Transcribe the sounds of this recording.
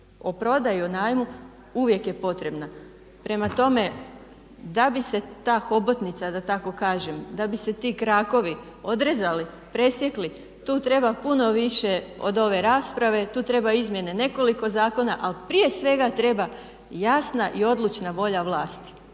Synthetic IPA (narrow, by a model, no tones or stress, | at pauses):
opɾo̞d̪ajuonaːjmu | uʋje̞kje̞po̞t̪ɾe̞bna | pɾe̞mat̪o̞me̞ | d̪abise̞t̪aːxo̞bot̪nit̪sad̪at̪ako̞kaːʒe̞md̪abise̞t̪ikɾaːko̞ʋi | o̞d̪ɾezali | pɾe̞sje̞kli | t̪uːt̪ɾe̞bapuno̞ʋiʃe̞o̞̰d̪o̞ʋe̞ɾaːspɾaʋe̞t̪uːt̪ɾe̞baizmje̞ne̞ne̞ko̞liko̞zaːko̞naʔalpɾije̞sʋe̞ɡat̪ɾe̞ba | jasnaʔio̞d̪lˠut͡ʃnaʋo̞ʎaʋlˠaːst̪i̥